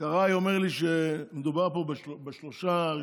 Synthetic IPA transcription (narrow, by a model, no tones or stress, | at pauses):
kaʁajomeʁliʃemed̪ubaʁpobeʃbeʃloʃa